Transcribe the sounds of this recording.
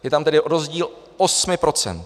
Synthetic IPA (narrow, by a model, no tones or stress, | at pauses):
jɛt̪amt̪ɛdɪɾozɟiːl | osmɪpɾo̞t͡sɛ̰nt̪